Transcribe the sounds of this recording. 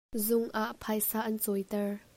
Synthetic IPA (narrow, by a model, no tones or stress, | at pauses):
zʊŋʔaʔpʰajsaːʔɐnt͡sɔjt̪ɛɹ